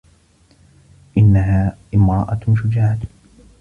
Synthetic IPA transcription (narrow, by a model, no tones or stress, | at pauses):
ʔɪnːaɦaːʔɪmɾˤɑʔaʃ̬ʊd͡ʒaːʕat̪